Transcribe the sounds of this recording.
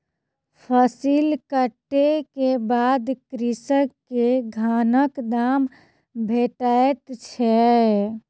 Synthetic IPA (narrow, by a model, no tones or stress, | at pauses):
pʰəsilkəʈːekebad̪kɾisəkkːeɡʱanəkd̪am | bʱeʈaet̪t͡ʃʰɛ